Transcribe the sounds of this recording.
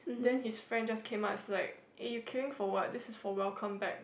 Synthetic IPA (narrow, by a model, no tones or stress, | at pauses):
dɛ̃nhisfɹɛ̃nd͡ʒaskʰẽmaʊtslaɪk | ʔajukʰɛɹɪ̃ŋfɔwɔt̚dɪsɪsfɔwɛlkʰə̃mbɛk̚